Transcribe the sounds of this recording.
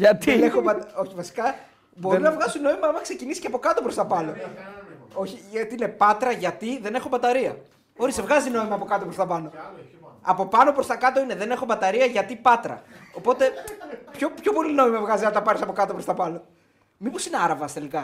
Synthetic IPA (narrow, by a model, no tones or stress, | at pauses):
ɐt̪inexobɐt̪o̞çivɐsi̥kɐ | bo̞ɾinɐvɣɐsino̞imɐɐmɐkse̞cinisi̥ceɐpo̞kɐt̪opɾost̪ɐpɐlo̞ | o̞çiɐt̪iine̞pɐt̪ɾɐʝɐt̪iðe̞ne̞xo̞bɐt̪ɐɾiɐ | o̞ɾisevɣɐzino̞imɐːpo̞kɐt̪o̞pɾost̪ɐpɐno̞ | ɐpo̞pɐno̞pɾo̞st̪ɐkɐt̪o̞ine̞ðe̞ne̞xo̞bɐt̪ɐɾiɐʝɐt̪ipɐt̪ɾɐ̰o̞po̞t̪e̞pço̞pço̞po̞lino̞imɐvɣɐziɐlt̪ɐpɐɾisɐpo̞kɐt̪o̞pɾost̪ɐpɐno̞ | mipo̞sineɐɾɐvɐst̪e̞likɐ